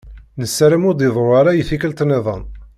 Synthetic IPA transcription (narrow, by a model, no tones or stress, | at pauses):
nəsːæɾəmʊd̪əðˤoɾaɾajθikəlt̪neðˤə̰n